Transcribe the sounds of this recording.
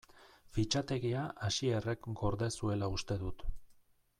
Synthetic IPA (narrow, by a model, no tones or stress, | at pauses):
fit͡ʃat̪e̞ɣiaʔaʃie̞re̞kɡo̞ɾðe̞sue̞laust̪e̞ðut̪